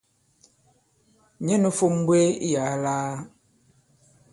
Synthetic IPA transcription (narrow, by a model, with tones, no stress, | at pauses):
ɲɛ˦no˦fo˦m˦bwe˦ḭ˦ja˨˦laː˦